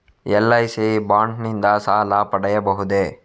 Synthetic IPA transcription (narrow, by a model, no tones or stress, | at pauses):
ɛlːɐjsibaːɳɖnind̪ɐsaːlapɐɽɐjɐbɐɦud̪e